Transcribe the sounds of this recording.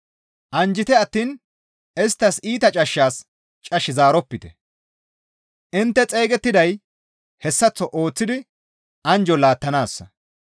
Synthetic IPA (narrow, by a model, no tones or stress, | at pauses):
ʔɐnd͡ʒɪt̪ɛɐt̪ːiːn | ʔɛst̪ːɐsiːt̪ɐt͡ʃʼɐʃːaːs | t͡ʃʼɐʃːɪzaːɾɔpːɪt̪ɛ | ʔɪnt̪ːɛt͡sʼe̞ːɡɛt̪ːɪd̪ɐj | hɛsːɐt͡sːɔʔo̞ːt͡sːɪd̪ɪ | ʔɐnd͡ʒɔlaːt̪ːɐnaːsːɐ